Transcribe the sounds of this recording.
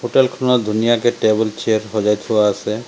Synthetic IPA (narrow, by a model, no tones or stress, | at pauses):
ɦoʈelkʰunɔd̪ʱunijakeʈebɔlt͡ʃeɾɦɔd͡ʒajt̪ʰuwaəsʰe